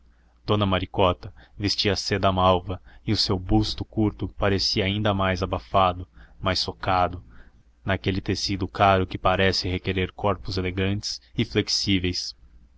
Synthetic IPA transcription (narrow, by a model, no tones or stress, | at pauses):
d̪̥õnɐmaɾikɔt̪ɐvest͡ʃiɐsed̪ɐamawvɐɪʊsewbust̪ʊkuɾt̪ʊpaɾesiɐaĩnd̪ɐmajzabafad̪ʊmajsːokad̪ʊ | nakelɪt̪esid̪ʊkaɾʊkɪpaɾɛsɪhekeɾeɾkɔɾpʊzeleɡɐ̃nt͡ʃɪ̥sɪfleksivejs